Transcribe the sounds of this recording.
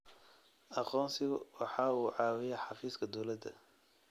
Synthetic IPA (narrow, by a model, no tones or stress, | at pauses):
ʔɑqɔːnsɪɣʊwɑħɑːuːʕɑːwɪjɛħɑfiːskʰɐd̪ɔwlɐd̪ɐ̰